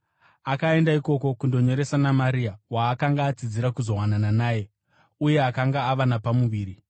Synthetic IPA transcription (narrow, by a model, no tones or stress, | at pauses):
akae̞ndaiko̞ko̞kundo̞ɲo̞ɾe̞sanamaɾiawaːkaŋɡaːd͡zid͡ziɾakuzo̞wanananaːje̞ | uje̞akaŋɡaːʋanapamuʋiːɾi